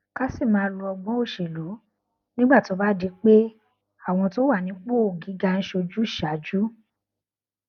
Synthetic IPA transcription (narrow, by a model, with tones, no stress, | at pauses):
ka˦si˦˨mãː˨˦˧lu˧ɔ˧ɡ͡bɔ̃˦o˦˨ʃe˨lo˨˦ | nĩ˦ɡ͡ba˦˨to˨˦ba˦di˨˦k͡pe˦ | a˦˨w̃ɔ̃˧to˦wa˦˨nĩ˨˦k͡po˦o˨ɡi˨˦ɡa˧n̩˦ʃo˧d͡ʒu˦˨ʃa˨˦d͡ʒu˦